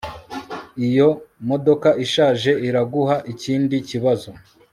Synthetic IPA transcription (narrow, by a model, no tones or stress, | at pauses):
ijo̞mo̞do̞kaʔiʃaːʒe̞iɾaɡuhaʔiciːndiciβazo̞